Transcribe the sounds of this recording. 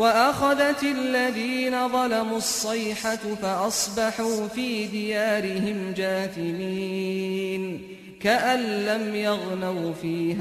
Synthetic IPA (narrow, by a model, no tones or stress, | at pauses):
waʔaxaðat̪alːaðiːnaðˤɑlamuɑsˤːɑjħafaʔɑsˤbɑħuːfiːd̪ɪjaːɾɪhɪmd͡ʒaːt̪ɪmiː | n | kaʔanlamjɑɣnawfiːha